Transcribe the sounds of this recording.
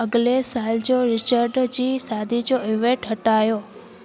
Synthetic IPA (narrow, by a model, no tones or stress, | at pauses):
əɡlesald͡ʒoɾɪt͡ʃəɾɖd͡ʒisad̪ʱid͡ʒoeʋẽʈəʈajo